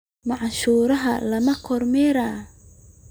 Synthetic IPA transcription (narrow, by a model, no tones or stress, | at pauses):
mɑʕʃuːɾɐɦɐ̰lɐmɐkʰɔrmɛɾaː